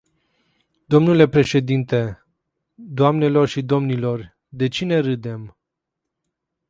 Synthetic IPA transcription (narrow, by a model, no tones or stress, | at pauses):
d̪o̞mnule̞pɾe̞ʃe̞d̪int̪e̞ | d̪oamne̞lo̞rʃid̪o̞mnilo̞r | d̪e̞t͡ʃine̞ɾɨd̪e̞m